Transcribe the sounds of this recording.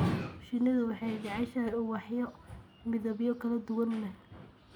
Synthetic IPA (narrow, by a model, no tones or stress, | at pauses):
ʃɪnːɐðʊwɑħɑjd͡ʒɑʕɑʃɐuːwɑħjɔ | mɪðɐβjɔkʰɐlɐd̪ʊwɐnlɛɦ